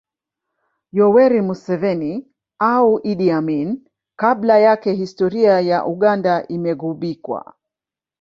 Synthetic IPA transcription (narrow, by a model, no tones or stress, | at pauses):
jɔwɛɾimusɛvɛni | auʔiɗiamin | kaɓlajakɛhistɔɾiajaʔuɠandaʔimɛɣuɓikwa̰